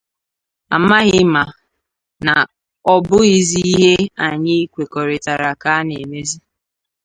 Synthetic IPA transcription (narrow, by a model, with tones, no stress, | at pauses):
a̰˨ma˦ɣɪ˦ma˨ | na˨ | ɔ˨bʊ˦i˨zi˦i˦ɦe˦a˨ɲɪ˦i˦kʷe˨kɔ˨ɾɪ˨ta˨ɾa˨ka˦ne˨me˦zi˦